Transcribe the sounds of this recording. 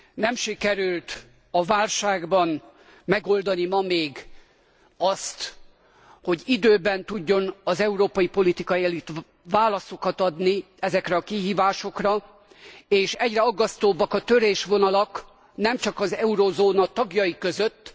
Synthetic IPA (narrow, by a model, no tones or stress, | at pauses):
nɛmʃikɛɾylt̪ | ɒvaːlʃaːɡbɒn | mɛɡo̞ld̪ɒnimɒmeːɡ | ɒst̪ | ho̞ɟid̪øːbɛnt̪uɟːo̞nɒzɛuɾoːpɒjipo̞lit̪ikɒjiɛlyt̪ | ʋaːlɒso̞kɒt̪ɒd̪ni | ɛzɛkrɛɒkiɦiːvaːʃo̞krɒ | eːʃɛɟrɛɒɡːɒst̪oːbːɒkɒt̪øɾeːʃʋo̞nɒlɒk | nɛmt͡ʃɒkɒzɛuɾozoːnɒt̪ɒɡjɒjikøzøt̪ː